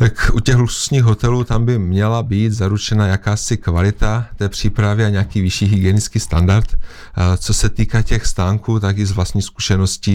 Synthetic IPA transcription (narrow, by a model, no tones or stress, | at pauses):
t̪akʔucɛɣlusu̥sɲiːɣɦo̞t̪ɛluːt̪ambɪmɲɛlabiːd̪zaɾut͡ʃɛnajakaːsɪkvalɪt̪at̪ɛːpr̝̥iːpɾavɪaɲɛakiːvɪʃiːɦɪɡjɛnɪt͡skiːst̪andaɾt̪ | t͡so̞sɛt̪iːkacɛxst̪aːŋkuːt̪akɪzvlast̪ɲiːxsku̥ʃɛnosciː